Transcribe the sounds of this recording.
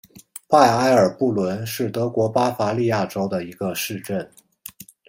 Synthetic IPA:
pa˥˩ɪa˥ɪə˞˨˩pu˥˩lwə˧˥nʂɻ̩˥˩t̪ɤ˧˥kwɔ˧˥pa˥fa˧˥li˥˧ja˥˩ʈ͡ʂo˥ʊd̪ə˨i˧˥ɡ̥ə˧ʂɻ̩˥˧ʈ͡ʂə˥˩n

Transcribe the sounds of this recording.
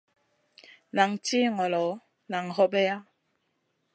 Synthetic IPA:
na˨ŋti˦˨ŋɔ˨lɔ˨˦ | na˨ŋhɔ˦bɛ˦ja˦

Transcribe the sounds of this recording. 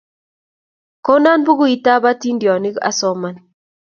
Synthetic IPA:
ko˦na˦nbu˦ɡu˦i˦ta˦ba˦ti˦ndjɔ˨ni˦ka̰˦sɔ˦ma˨n

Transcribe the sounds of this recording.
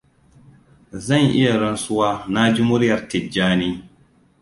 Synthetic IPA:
zɐ˦˨ŋʔɪ̰˦ja˨ɾɐ˦nsʊ˦waː˦na˦d͡ʒu˦mʊ˦ɾjɐ˨ɾti˨d͡ʒaː˦niː˦

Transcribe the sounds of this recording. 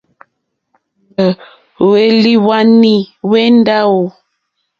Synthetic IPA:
ə˨ | we˦li˦wa˦ni˦we˦n˦da˦wo˨

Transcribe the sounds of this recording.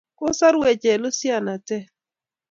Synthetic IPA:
ko˦sa˦ɾwe˨t͡ʃɛ˨lo˦sja˦˨na˨tɛ˦

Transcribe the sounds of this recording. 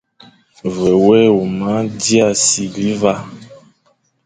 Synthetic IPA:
vɛ˨wɛ˦wo˨ma˨˦di˦a˦˨si˨ɡli˨˦va˦

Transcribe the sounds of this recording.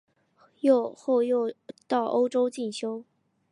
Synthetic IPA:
jo˥˧ʊxo˥˧ʊjo˥˧ʊt̪ɑ˥˩ʊʔo˥ʊʈ͡ʂo˥ʊt͡ɕi˥˩nɕjo˥ʊ

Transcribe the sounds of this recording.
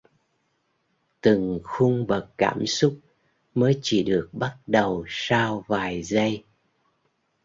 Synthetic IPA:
t̪ɨ˨˩ŋxʊ˧ŋ͡mɓə˨˩kːka̰ː˧˩msʊ˦˥k͡p̚ | məː˨˦jt͡ɕi˧˩ɗɨ˨˩ək̚ɓa˦˥t̚ɗə˨˩wsaː˧wvaː˨˩jzə˧j

